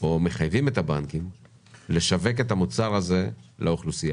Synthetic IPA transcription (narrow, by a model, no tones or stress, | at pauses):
ome̞χajvime̞t̪abankim | le̞ʃave̞k̬e̞tamut͡saʁaze̞leuχlusija